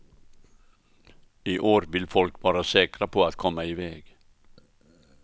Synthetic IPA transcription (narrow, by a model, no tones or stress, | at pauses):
iːʔoːɾʋɪlfɔlkʋɑːɾəsɛːkɾəpʰoːɑt̪kʰɔməɪʋeːɡ̥